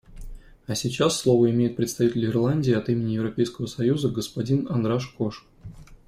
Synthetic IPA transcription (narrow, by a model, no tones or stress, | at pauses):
ɐsʲɪt͡ɕasːlˠo̞vəɪmʲejɪt̪̚pɾʲɪt̪st̪ɐvʲitʲɪlʲɪrlˠanʲdʲɪːɐt̪imʲɪnʲɪjɪvɾɐpʲejskəvəsɐjuzəɡəspɐdʲinɐnd̪ɾaʂkoʂ